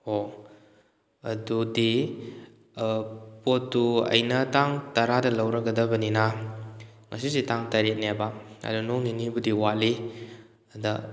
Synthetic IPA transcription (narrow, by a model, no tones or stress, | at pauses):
ho | ɐdudi | potːuɐ̰jnɐtaŋtɐɾadɐlɐwɾɐkɡɐdɐbɐnina | ŋɐsisetaŋtɐɾet̚nebaɐ̰dunoŋinibudiwaʔli | ada